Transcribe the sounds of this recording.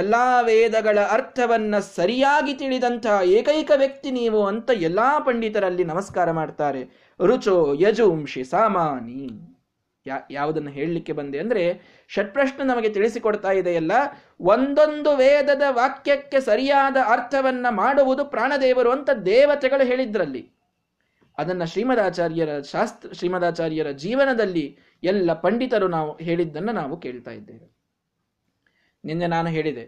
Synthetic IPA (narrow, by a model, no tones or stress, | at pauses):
ɛlːaːʋɛːd̪ɐɡɐɭɐɐɾt̪ʰɐʋɐnːɐsɐɾijaːɡit̪iɭid̪ɐnt̪ʰɐɦɐeːkɐjkɐʋjɐk̚t̪iniːʋuɐnt̪ɐɛlːaːpɐɳɖit̪ɐɾɐlːinɐmɐskaːɾɐmaːɖt̪aːɾe | ɾut͡ʃoːjɐd͡ʒuːmʂisaːmaːni | jaːʋud̪ɐnːɐɦeːɭilikːe̞bɐnd̪eɐnd̪ɐɾe̞ | ʃɐʈ̚pɾɐʂɳɐnɐmɐɡe̞t̪iɭisikoɽt̪aːjid̪eɐlːɐ | ond̪o̞nd̪uʋɛːd̪ɐd̪ɐʋaːkjɐkːe̞sɐɾijaːd̪ɐɐɾt̪ʰɐʋɐnːɐmaːɽuʋud̪upɾaːɳɐd̪ɛːʋɐɾuɐnt̪ɐd̪ɛːʋɐt̪ɛɡɐɭuɦe̞ːɭid̪ːɐɾɐlːḭ | ɐd̪ɐnːɐʃɾiːmɐd̪aːt͡ʃaːɾjɐɾɐʃaːst̪ɾɐʃɾiːmɐd̪aːt͡ʃaːɾjɐɾɐd͡ʒiːʋɐnɐd̪ɐlːi | ɛlːɐpɐɳɖit̪ɐɾunaːʋuɦe̞ːɭid̪ːɐnːɐnaːʋuke̞ːɭt̪a̰ːjid̪ːeːʋi | ninːenaːnuɦeːɭid̪e